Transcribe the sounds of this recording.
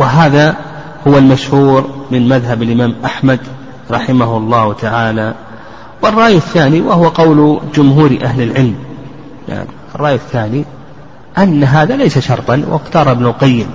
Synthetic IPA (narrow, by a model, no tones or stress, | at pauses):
wɪɦaːða | hʊwalmaʃhuːɾmɪnmaðɦabɪlʔɪmaːmʔaħmad̪ | ɾˤɑħɪmaɦʊɑlˤːɑːht̪ʰaʕaːla | wɨrˤːɑːjɪθːaːniwɪhʊwaqɑwld͡ʒʊmɦuːɾʔaɦlɪlʕɪlm | ja̰ʕnʔɑrˤːɑːjɪθːaːni | ʔanːaɦaːðalejsaʃɑɾˤt̪ˤɑnwʔɪ̰qt̪ɑːɾˤbnʊlqajːɪm